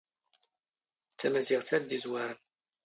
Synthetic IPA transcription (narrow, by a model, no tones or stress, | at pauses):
t͡sːæmæziʁt͡sːæðd̪izwaɾən